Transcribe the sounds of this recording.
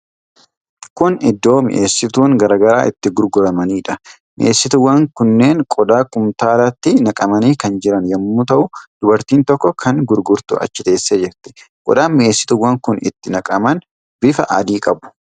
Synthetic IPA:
kʊnɪd̪ːo̞ːmɪ̰ʔeːsːɪt̪uːŋɡɐɾaːɡɐɾaːʔɪt̪ːɪɡʊɾɡʊɾɐmɐniːᶑɐ | mɪ̰ʔeːsːɪt̪ʊwɐŋkʊnːe̞ːŋkʼɔd̪aːkʊmt̪aːɾɐt̪ːɪnɐkʼɐmɐniːkɐnd͡ʒɪɾɐnjɐmːut̪ɐʔʊd̪̥ʊbɐɾt̪iːnt̪ɔkːɔkʰɐŋɡʊɾɡʊɾt̪ʊ̰ʔɐ̰t͡ʃːɪt̪e̞ːsːed͡ʒɛɾt̪ɛ̥ | kʼɔ̰d̪aːnmɪʔe̞ːsːɪ̥t̪ʊwːɐŋkʊnɪ̰t̪ːɪnɐkʼɐmɐn | bɪfɐʔɐ̰d̪iːkʼɐbʊ̥

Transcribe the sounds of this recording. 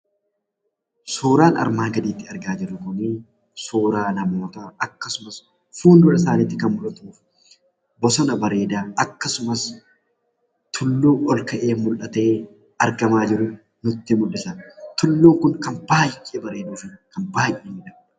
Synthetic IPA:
suːɾaːnɐ̰ɾmaːɡɐd̪iːt̪ːɪɐɾɡaːd͡ʒɪɾːʊkʊni | suːɾaːnɐmo̞ːt̪ɐɐkːɐsʊmɐs | fuːnd̪ɔᶑɐsaːniːt̪ːɪkɐnmʊlɐt̪uːf | bɔsɔnɐbɐɾe̞ːd̪aːɐkːɐsʊmɐs | t̪ʰʊlːuːʔɔlkɐʔe̞ːmʊlʔɐt̪e̞ː | ɐɾɡɐmaːd͡ʒɪɾʊ | nʊt̪ːɪmʊlːɪsɐt̪ʊlːuːŋkʊŋkɐnbaːjjebɐɾe̞ːd̪uːfɪkɐnbaːjʔeːmɪᶑɐ

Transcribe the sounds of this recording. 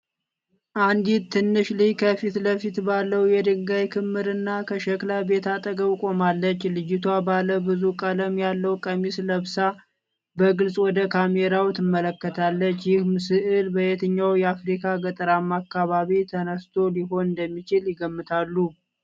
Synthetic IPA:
ʔand̪it̪ʰːɨnːɨʃlihkʰəfit̪ləfit̪balːəwjɛd̪ɨŋɡajkʰɨmːɨɾɨnːakʰəʃəklabe̞t̪at̪ʼəɡəwkʼo̞malːət͡ʃːlɨjɪt̪ʰwabaləbɨzukʼələmjalːəwkʼəmisləβsa | bəɡɨlsʼwɔd̪əkʰameɾawt̪ʰɨmːələkːət̪ʰalːət͡ʃːjɪhmɨsɨʔɨlbəjet̪ʰɨɲːawjɛafɾikʰaɡət̪ʼɨɾamːakːaβaβit̪ʰənəst̪ʰo̞liɦo̞nɨnd̪əmːit͡ʃɪljɪɡəmːɨt̪ʰalːu

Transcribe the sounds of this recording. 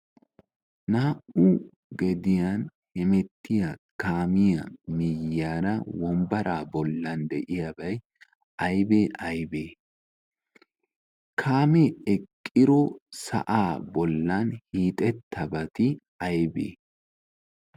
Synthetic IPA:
naːʔu | ɡɛd̪ɪjanhɛmɛt̪ːɪjɐkaːmɪjɐ̰mɪjːaːɾɐwɔmbɐɾʔaːbɔlːɐnd̪ɛʔɪjɐbɐj | ʔɐjbeːʔɐjbeː | kʰaːmeːɛkʼːɪɾɔsɐ̰ʔaːbɔlːɐnhiːt̪ʼɛt̪ʰːɐbɐt̪ɪ | ɐjbḛː

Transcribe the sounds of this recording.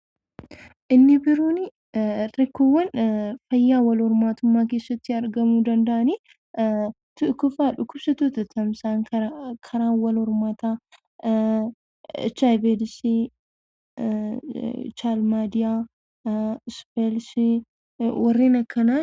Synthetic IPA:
ʔɪnːɪbɪɾuːnɪ | ɾɛkːowːɐnfɐjːaːwɐlɔɾmaːt̪ʊmːaːke̞ːsːɐt̪ːɪɐɾɡɐmuːd̪ɐnd̪ɐʔɐniː | t̪ʊkːʊfaːᶑʊkːʊbsɐt̪oːt̪ɐt̪ɐmsaːŋkɐkʰɐɾaːnwɐlɔɾmat̪aː | t͡ʃajbelsi | t͡ʃaːlmaːd̪ɪjaː | spelsi | wɐrːiːnɐkːɐnaː

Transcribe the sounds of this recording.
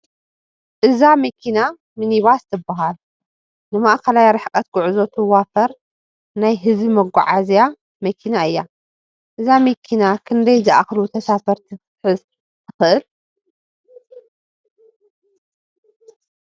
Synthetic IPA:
ʔɨzamɐkʰina | mɨniβast̪ʰɨbːaɦal | nɨmaʔkʰɐlajaɾɨħkʼɐt̪ɡʊʕuzot̪ʰɨwafɐɾ | najɦɨzimɐɡʷaʕazja | mɐkʰinaɨjːa | ʔɨzamɐkʰinakʰɨnd̪ɐjzɨʔaxlut̪ʰɐsafɐɾt̪ʰi | ħɨz | tʰɨ̥xɨʔɨl

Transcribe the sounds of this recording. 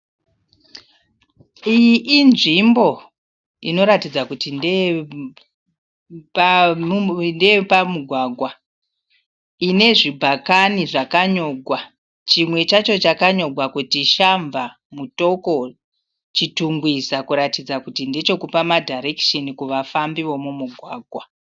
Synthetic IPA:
ijiʔinʐimbo̞ | ḭno̞ɾatid͡zakutinde | ndepamuɡʱwaɡʱwa | ine̞ʐibʱakaniʐakaɲo̞ɡʱwa | t͡ʃimwe̞t͡ʃat͡ʃo̞t͡ʃakaɲo̞ɡwakutiʃaɱva | muto̞ko̞ | t͡ʃituŋɡwizakuɾatid͡zakutinde̞t͡ʃo̞kupamadʱaɾe̞kʃenikuʋafambiwo̞mumuɡʱwaːɡʱwa

